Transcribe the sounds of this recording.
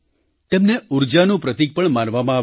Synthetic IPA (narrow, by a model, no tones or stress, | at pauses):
t̪emneuɾd͡ʒanũpɾət̪ik̚pəɳmanʋamãa